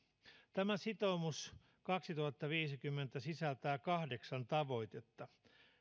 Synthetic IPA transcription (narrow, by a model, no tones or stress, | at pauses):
t̪æmæsit̪omus | kɑksit̪uhɑt̪ːɑʋiːsikymːent̪æsisælt̪æːkɑhdeksɑnt̪ɑʋo̞jt̪et̪ːɑ